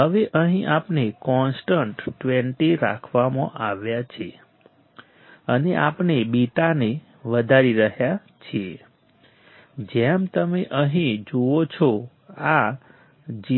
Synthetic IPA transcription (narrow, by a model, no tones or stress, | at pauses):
ɦəʋeʔəɦĩʔapnekɔnsʈəɳʈːʋeɳʈiɾa̰kʰʋamãʔaʋjat͡ʃʰe | əneʔapnebiʈane | ʋəd̪ʱaɾiɾəɦja | t͡ʃʰie | d͡ʒɛmt̪əmeʔəɦĩd͡ʒoot͡ʃʰɔ | a | d͡ʒi